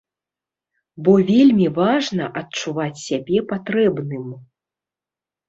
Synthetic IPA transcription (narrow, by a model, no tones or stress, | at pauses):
bɔvʲelʲmʲivaʐnɐ̰ʔɐtt͡ʂuvat͡sʲsʲabʲɛpat̪ɾɛbnɨm